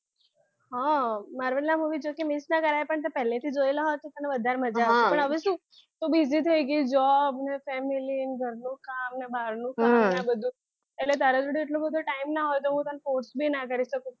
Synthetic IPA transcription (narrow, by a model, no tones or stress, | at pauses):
ɦɔ̃maɾʋəllamuʋid͡ʒokimisnakəɾapəɳt̪epɛɦlẽt̪ʰiːd͡zojlaɦɔt̪ːit̪anaʋəd̪ʱaɾməd͡zapəɳəʋistũː | t̪obid͡zit̪ʰejɡiːd͡ʒɔbnefɛmiliːnɡʱəɾnũːkamnabaɾnũkanabəd̪ʱːũ | eʈlet̪̬aɾat̪uɽiːʈlõbəd̪ʱoʈaimnaɦojt̪oɦũt̪anfoɾsbʱiːnak̬əɾisəkũ